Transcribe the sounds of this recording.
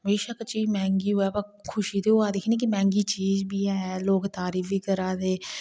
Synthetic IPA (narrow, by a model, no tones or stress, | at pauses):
meːʃaːkət͡ʃiːd͡ʒmɛ̃ːŋɡiːoɛːbakʰʊʃiːd̪eːoaːd̪eːkʰniːkimɛ̃ːŋɡiːt͡ʃiːzbiːɛːloːkt̪aːɾiːfiːkəɾaːd̪eː